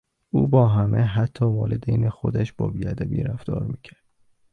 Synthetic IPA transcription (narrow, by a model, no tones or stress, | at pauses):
ʔuːbɒːɦæmʔeɦæt̪ʰːɒːvɒːled̪ejnexo̞d̪æʃbɒ̰ːbiːæd̪æbḭːɾæfd̪ɒ̰ːɾmiːcʰæɾd̪̥